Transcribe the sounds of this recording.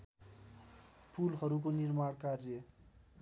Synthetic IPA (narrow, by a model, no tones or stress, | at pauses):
pʰulɦʌɾuk̬onirmaɽkarje